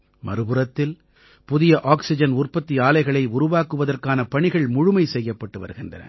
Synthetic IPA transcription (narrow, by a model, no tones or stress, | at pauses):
mɐ̰ɾɯbɯɾɐt̪ːɪl | pʊðɪjɐʔaːksɪd͡ʒɐnʊrpɐt̪ːiaːlɐɪɣɐɭɐɪʊɾʊʋaːkɯʋɐðɐrkaːnɐpɐɳɪɣɐɭmʊɻʊmɐɪsɛjːɐpːɐʈːɯʋɐ̰ɾɯɣɪndrɐ̰nɐ̰